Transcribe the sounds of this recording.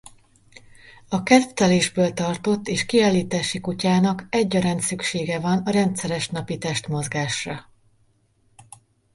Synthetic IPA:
ɒkɛzt̪ɛleːʒbøːlt̪ɒrt̪o̞t̪ːeːʃkiaːlːiːt̪aːʃikucaːnɒkɛɟːɒɾaːnt̪sykʃeːɡɛvɒnɒɾɛnt̪sɛɾɛʃnɒpit̪ɛʃt̪mo̞zɡaːʃrɒ

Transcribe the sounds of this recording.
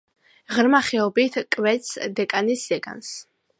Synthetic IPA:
ʁɾmaχɛɔbit̪ʰkʼwɛt̪sʰd̪ɛkʼanisd̪ɛɡa̰ns

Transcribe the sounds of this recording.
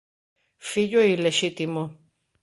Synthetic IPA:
fiʎoileʃit̪imo

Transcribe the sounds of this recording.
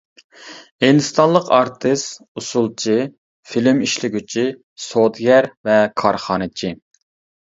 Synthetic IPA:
hind̪ɨst̪ɑnlˠəqɑɾt̪ʰɨst̪ | usulˠt͡ʃʰi | filɪmiʃlɪɡʲyt͡ʃʰi | sot̪ɡʲɛɾvɛkʰɑɾχɑːnɨt͡ʃʰi

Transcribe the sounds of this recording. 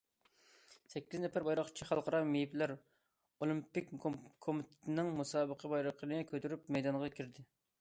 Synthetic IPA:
sɛkʲːiznɛfæɾbɑjɾɑqt͡ʃʰiχɑlˠqʰəɾɑmejipʰlæɾ | olˠimpɪk̚ʲkʰomɪt̪ʰɪ̥t̪ʰɪnɪŋmusɑːbəqʰəbɑjɾəqʰənɪkʲʰøt̪yɾypmɛjd̪ɑɴʁɑkʲʰiɾd̪ɪ

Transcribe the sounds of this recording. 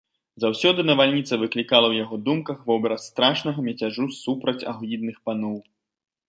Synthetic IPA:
zawsʲɔd̪ɨnɐvalʲnʲit̪sɐvɨklʲikalˠɐwjaɣɔd̪umkɐxvɔbʲɛɾɐst̪ɾaʂnɐɣɐmʲɛt͡sʲaʐusupɾɐt͡sʲa̰ɣlʲid̪̚nɨxpanɔw

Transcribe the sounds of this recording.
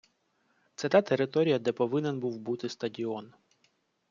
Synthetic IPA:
t̪sɛt̪at̪eɾɪt̪ɔɾʲijɐd̪ɛpɔʋɪnɛnbuwbut̪ɪst̪ɐdʲiɔn

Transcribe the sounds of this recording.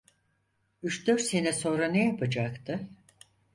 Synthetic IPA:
yt͡ʃd̪øɾsenɛso̞nɾanɛjapʰad͡ʒakt̪ʰɯ

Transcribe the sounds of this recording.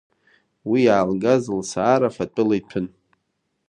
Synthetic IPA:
wijaːlɡazɨlsaːɾafat͡pʼɨlajpʰɨn

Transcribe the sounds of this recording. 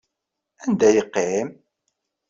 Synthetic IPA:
ænd̪æjəqːem

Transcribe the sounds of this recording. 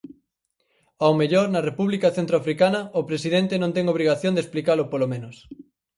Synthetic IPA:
awmeʎoɾnɐrepuβlikɐθent̪ɾoafɾikanɐʊpɾesiðent̪ɪnõnt̪ɛŋoβɾiɣaθjõnd̪esplikalʊpolomẽnʊs

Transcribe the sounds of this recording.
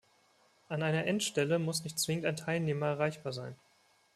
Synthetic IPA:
ʔanaɪnɐʔɛntʃtɛləmʊsnɪçt̚t͡sv̥ɪŋəntaɪntʰaɪlneːmɐɛɐʁ̞aɪçb̥aːɐzaɪn

